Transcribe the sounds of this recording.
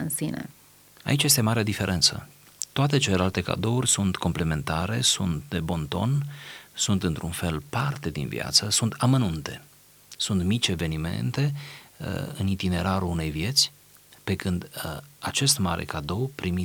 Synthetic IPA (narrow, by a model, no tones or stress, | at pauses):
ɨnsinḛ | a̰it͡ʃjest̪e̞maɾead̪ife̞ɾʔe̞nt̪sə̰ | t̪oat̪e̞t͡ʃelelalt̪e̞ka̰d̪o̞urʲsunt̪ko̞mple̞me̞nt̪aɾe̞̰sunt̪d̪e̞bo̞nt̪o̞̰nsunt̪ɨnt̪ɾunfe̞lpart̪e̞d̪ḭnvḭa̰t̪səsunt̪amənunt̪e̞ | sunt̪mit͡ʃʲeve̞nime̞̰nt̪e̞ | ɨ̰nit̪ine̞ɾaɾuune̞jvje̞t̪sʲ | pe̞kɨnd̪at͡ʃe̞st̪maɾʔḛkad̪o̞wpɾimi